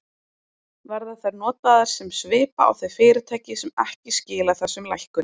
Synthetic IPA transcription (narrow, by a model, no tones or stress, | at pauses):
vɛɾðaθaɾnɔːt̪aðaɾ̥sɛmsvɪːpa̰a̰wθejfɪːɾɪt̪ʰajcɪsɛmɛhcɪscɪːlaθɛsːʏmlajhkʏn